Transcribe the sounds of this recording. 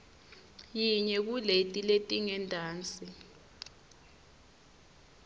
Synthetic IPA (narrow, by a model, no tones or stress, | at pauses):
jiɲɛk̬uletʼiletʼiŋɛndʱʼaːnt͡sʼi